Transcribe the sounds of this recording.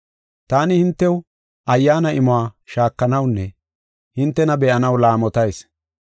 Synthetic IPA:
t̪aːnɪhɪnt̪ːɛw | ʔɐjːaːnɐʔɪmʊaːʃaːkːɐnɐwnːɛ | hɪnt̪ːɛnɐbɛʔɐnɐwlaːmɔt̪ɐjs

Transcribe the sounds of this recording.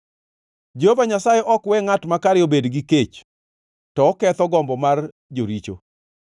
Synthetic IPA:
d͡ʒohovaɲasajeʔɔkwɛŋatmakaɾɪjobedɡiket͡ʃ | tɔːkɛt̪ɔɡɔmbɔmar | d͡ʒoɾit͡ʃo̰

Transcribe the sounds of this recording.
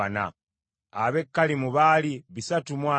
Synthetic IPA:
ana̰ | aβekːalimuβaliβisatumwaː

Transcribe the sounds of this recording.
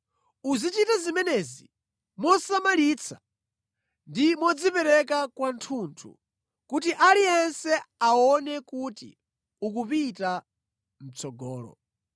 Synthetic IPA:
uzit͡ʃitazimɛnɛzi | mɔsamaliːt͡sʰḁ | ndimɔd͡zipɛɾɛk̬akwantʰuntʰṵ | kutiʔaliɛnsɛaɔnɛkutḭ | ukupita | m̩t͡sʰɔɡɔːlɔ̰

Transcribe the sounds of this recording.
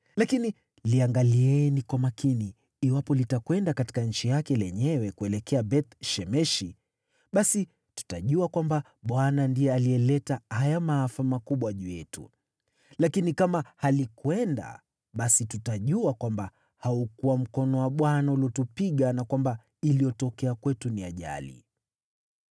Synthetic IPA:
lakini | liaŋɡaliɛnikwamakiniː | wapɔlitakwɛndakati̥kaɲ̩t͡ʃijakɛlɛɲɛwɛkuɛlɛkʰɛabɛt̪ʃɛmɛʃi | ɓasi | tu̥taʄuakwamba | ɓwanandiɛaliɛlɛtahajamaafamakuɓwaʄujɛtṵ | lakinikamahalikwɛnda̰ | ɓasitutaʄuakwamba | haukuwam̩kɔnɔwaɓwanaulɔtupiɠanakwamba | ilijɔtɔkɛakwɛtuniaʄa̰lḭ

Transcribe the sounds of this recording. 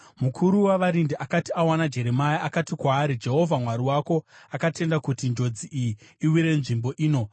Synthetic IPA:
mukʰuɾuwaʋaɾindiʔakatiawanad͡ʒe̞ɾe̞majaakatikwaːɾid͡ʒe̞ɦo̞vʱamwaɾiwako̞akate̞ndakutind͡ʒo̞d͡ziʔijiiwiɾe̞nʐimbo̞ʔiːno̞

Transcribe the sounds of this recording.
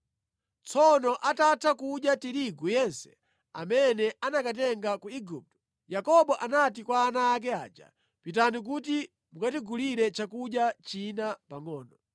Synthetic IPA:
t͡sʰɔnɔʔatatʰakuɗjatiɾiɡujɛnsɛ̥̰ | a̰mɛnɛʔanakatɛŋɡakuiɡup̚tɔ̥ | jakɔɓɔʔanatikwaːnaːk̬ɛad͡ʒa̰ | pitanik̬uti | mukatiɡuliɾɛt͡ʃakuɗjat͡ʃinapaŋɔːnɔ

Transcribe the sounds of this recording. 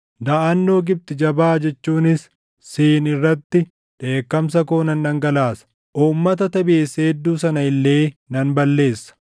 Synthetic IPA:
d̪ɐʔɐnːo̞ːɡɪb̚t̪ɪd͡ʒɐbaːd͡ʒɛt͡ʃːuːnɪsː | iːnɪrːɐt̪ːɪ | ᶑe̞ːkːɐms̬ɐkoːnɐnːɐŋɡɐlaːsɐ̥ | ʔuːmːɐt̪ɐt̪ɐbeːsːɐɛd̪ːuːsɐnɐɪlːe̞ːnɐnbɐlːe̞ːsːɐ̥

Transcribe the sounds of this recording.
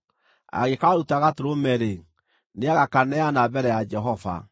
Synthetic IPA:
a̰ɣekaaɾutaɣatoɾomɛɾe | neaɣakanɛanabɛɾɛjad͡ʒɛɦɔva̰

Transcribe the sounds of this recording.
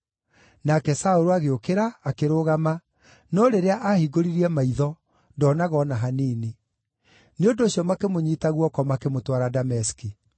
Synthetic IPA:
nakɛsaoɾoaɣeokeɾaːkeɾoːɣama | nɔɾeɾeaʔahiɡoɾiɾiɛmaiðɔ | ndɔnaɣɔnaɦaneːne | neondoːɕjɔmakemoɲiːtaɣwɔkɔmakemotwaɾadamɛski

